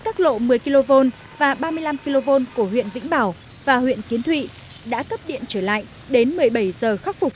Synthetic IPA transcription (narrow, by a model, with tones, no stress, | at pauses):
kaː˦˥k̚lo̰˧˨mɨ˨˩əjki˧lo˧vo˧n | vaː˨˩ɓaː˧mɨ˧əjla˧mki˧lo˧vo˧nku˧˩əɦwḭ˧˨ənvḭ̈˧˥ŋ̟ɓaː˧˩w | vaː˨˩hwḭ˧˨ənki˨˦ənt̪ʰwḭ˧˨ | ɗa̰ː˧˥kə˦˥p̚ɗḭ˧˨ənt͡ɕəː˧˩la̰ː˧˨jʔ | ɗe˨˦nmɨ˨˩əjɓə˧˩jzəː˨˩xa˦˥k̚fʊ˨˩k͡p̚